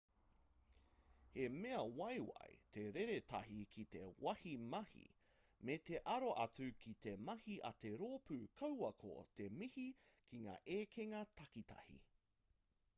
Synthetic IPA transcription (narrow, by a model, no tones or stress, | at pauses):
hemeɐwɐjwɐ̰jt̪ʰe̞ɾeɾetʰɐ̰hikʰit̪ḛwɐhimɐhḭ | met̪eʔɐɾoʔɐt͡sʉkʰit̪emɐhiʔɐ̰t̪e̞ɾoːpʉkʰɐwɐkʰo̰t̪emihikʰiŋa̰ːʔeːkʰeŋɐt̪ʰɐkit̪ʰɐ̰hḭ